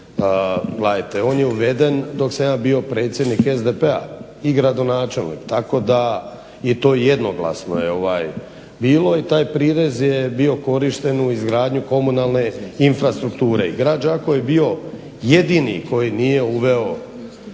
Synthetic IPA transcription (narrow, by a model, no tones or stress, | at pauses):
ɡleat̪eo̞ːnjeuʋe̞d̪e̞nd̪o̞ksamjaːbio̞pɾe̞ːt̪sʲje̞d̪nikezd̪epea̰ | iɡɾad̪o̞naːt͡ʃe̞lnḭkt̪ako̞d̪a | jet̪o̞ːje̞d̪no̞ɡla̰sno̞̰jeo̞ʋa̰j | biːlˠo̞it̪aːjpɾiɾezjebio̞ko̞ɾiʃt̪e̞nuizɡɾaːd̪ɲuko̞munalˠne̞infɾast̪ɾukt̪uːɾe̞iɡɾad͡ʒako̞jebio̞ | jed̪inḭko̞jiniːje̞uʋe̞o